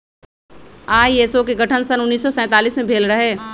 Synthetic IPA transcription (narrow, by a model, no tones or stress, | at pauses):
aːieːsokeɡʱɐʈʰənsənʊnːiːsːɔsɛ̃ːt̪aːliːsmẽbʱeːlɾɐɦeː